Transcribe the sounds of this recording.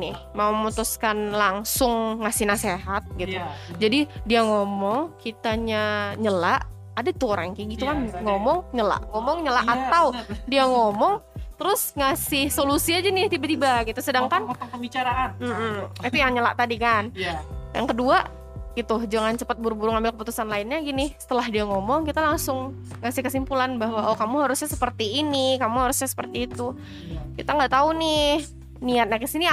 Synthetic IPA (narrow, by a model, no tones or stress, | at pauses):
nɪh | maumut̪uskanlaŋsʊŋːasɪhnaseɦat̪̚ɡit̪ud͡ʒadidiaŋomɔŋkit̪aɲaɲəlaʔ | adat̪uɾa̰ŋkiɡit̪ukanŋɔmɔŋɲəla̰ʔŋɔmɔŋɲəlaʔat̪awdiaŋɔmɔŋt̪əɾʊsŋasɪhsolusiad͡ʒanɪht̪ibat̪ibaɡit̪usədaŋkantpəbit͡ʃaɾaʔanm̩m̩it̪ujaŋɲəla̰ʔt̪adikanjʔaŋkəduaʔ | ɡ̥it̪ʊd͡ʒaŋant͡ʃəpət̪̚buɾubuɾʊŋambɪlkəp̬ut̪usanlaɪnɲaɡinɪhsə̥t̪əlaɦdiaŋɔmɔŋkit̪alaŋsʊŋ | ŋasɪhkəsimpulanbaɦwaʔokamuɦaɾusɲasəpərt̪iːnikamuɦaɾusɲasə̥pərt̪iːt̪u | kit̪aŋɡaʔt̪aunɪh | niat̪̚ɲakəsini